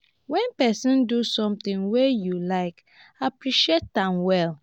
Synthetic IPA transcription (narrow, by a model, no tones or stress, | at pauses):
wɛ̃npɛsɔ̃ndusɔ̃mtĩŋwejulaɪk | apɹiʃiet̚ːãnwɛl